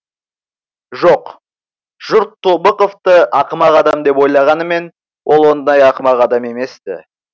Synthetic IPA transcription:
ʒoq | ʒ̥ʊɾt̪ʰːobəqoft̪əɑqəmɑʁɑd̪ɑmd̪e̞po̞jlˠɑʁɑnəme̞n | wʔolˠwo̞nd̪əd̪ɑjɑqəmɑʁɑd̪ɑme̞me̞st̪ɪ̰

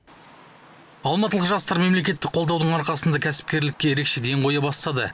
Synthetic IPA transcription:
ɑlˠmɑt̪əlˠʁəqʒɑst̪ɑɾme̞mle̞kʲe̞t̪ːɪk̚qʰolˠd̪ɑwd̪əɴɑɾqɑsənd̪ɑkʲʰæsɪ̥p̚kʲe̞ɾlɪkʲːe̞je̞ɾe̞kʃe̞d̪e̞ŋqʰo̞jɑbɑst̪ɑd̪ə̰

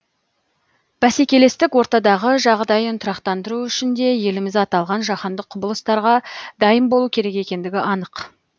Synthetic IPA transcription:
b̥æse̞kʲe̞le̞st̪ɪkwo̞ɾt̪ɑd̪ɑʁəʒɑʁd̪ɑjənt̪ʰʊɾɑqt̪ɑnd̪əɾuʏʃɪnd̪e̞je̞lɪmɪzɑt̪ɑlˠʁɑnʒɑχɑnd̪əqʰːʊbəlˠəst̪ɑɾʁɑd̪ɑjəmbo̞lˠukʲʰe̞ɾe̞kʲe̞kʲe̞nd̪ɪɡʲɪʔɑnəq

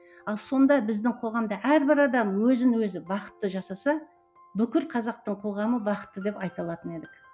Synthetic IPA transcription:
ɑlˠso̞nd̪ɑbɪzd̪ɪŋqʰo̞ʁɑmd̪ɑʔæɾbɪɾɑd̪ɑmwɵzɪnwɵzɪbɑqə̥t̪ːəʒɑsɑsɑ | bʏkʲɪɾqʰɑzɑq̚t̪əɴqʰo̞ʁɑməbɑqə̥t̪ːəd̪e̞pɑjt̪ɑlˠɑt̪əne̞d̪ɪk

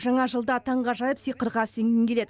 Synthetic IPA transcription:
ʒɑɴɑʒəlˠd̪ət̪ʰɑɴʁɑʒɑjəpsijqəɾʁɑseŋnʲɪŋkʲʰe̞le̞d̪̥ɪ

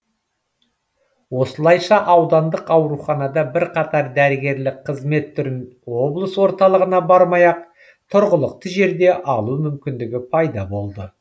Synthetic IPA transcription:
wo̞səlˠɑjʃɑʔɑwd̪ɑnd̪əqɑwɾuχɑnɑd̪ɑbɪɾqʰɑt̪ɑɾd̪æɾɪɡʲe̞ɾlɪk̚qʰəzme̞t̪ʰːʏɾɪnwo̞blˠəswo̞ɾt̪ɑlˠəʁənɑbɑɾmɑjɑq̚ | t̪ʰʊɾʁəlˠəq̚t̪əʒe̞ɾd̪e̞ʔɑlˠumʏmkʲɪnd̪ɪɡʲɪpʰɑjd̪ɑbo̞lˠd̪ə

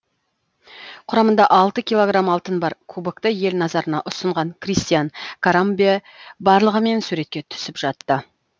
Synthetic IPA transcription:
qʰʊɾɑmənd̪ɑʔɑlˠt̪əkʲijlˠo̞ɡɾamɑlˠt̪ənbɑɾkʰubəkt̪əje̞lnɑzɑɾənɑʔʊsəɴʁɑŋkʰrijst̪ijankʰoɾambi | bɑɾlˠəʁəme̞nsʉɾe̞t̪̚kʲe̞t̪ʰʏ̥sɪpʒ̥ɑt̪ːə

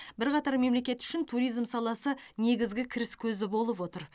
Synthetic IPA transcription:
bɪɾqɑt̪ɑɾme̞mle̞kʲe̞t̪ʏ̥ʃɪnt̪ʰuɾijzmsɑlˠɑsəne̞ɡʲɪzɡʲɪkʲʰɪɾɪskʲʰɵzɪbo̞lˠəpwo̞t̪əɾ

